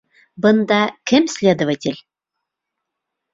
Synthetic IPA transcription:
bənd̪ɑkʲemsʲlʲed̪ovətʲelʲ

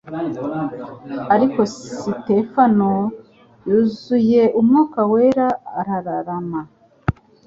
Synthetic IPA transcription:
aɾiko̞site̞fano̞ | juːzuje̞ʔumŋuːkaweɾaːɾaɾaɾama

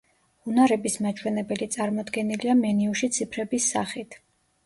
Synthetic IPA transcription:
hunaɾɛbismat͡ʃʰwɛnɛbɛlit̪sʼaɾmɔd̪ɡɛniliamɛniuʃit̪sʰipʰɾɛbisːaχit̪ʰ

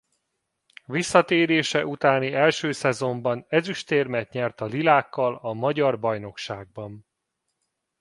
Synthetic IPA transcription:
visːɒt̪eːɾeːʃɛʔut̪aːniɛlʃøːsɛzo̞mbɒnɛzyʃt̪eːrmɛt̪ɲɛrt̪ɒlilaːkːɒlɒmɒɟɒrbɒjn̪o̞kʃaːɡ̚bɒn

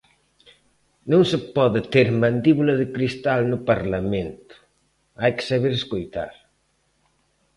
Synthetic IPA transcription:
nõŋsɪpɔðɪt̪eɾmãnd̪iβulɐðɪkɾist̪alnʊpaɾlamẽnt̪ʊ̥ | ajkɪ̥saβeɾeskojt̪a̰ɾ

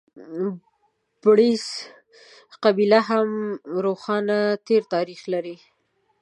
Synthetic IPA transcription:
b̥ɽis | qabilaɦamɾoxɑnat̪eɾt̪ɑɾixlaɾi

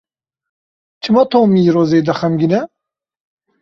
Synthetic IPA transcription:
t͡ʃʰɨmɑːt̪ʰoːmiɾoːzeːd̪ɐxɛmɡinɛ

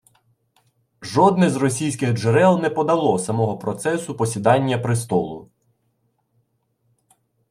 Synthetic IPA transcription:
ʒɔd̪nɛzrɔsʲijsʲkɪɣd͡ʒeɾɛlˠnɛpɔd̪ɐlˠɔsɐmɔɦɔpɾɔt̪sɛsʊpɔsʲid̪ɑnʲːɐpɾɪst̪ɔlˠʊ̰

